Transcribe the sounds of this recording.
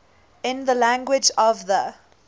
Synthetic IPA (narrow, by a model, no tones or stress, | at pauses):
ɪ̃nðəlæ̃ŋɡwɪd͡ʒɔvðə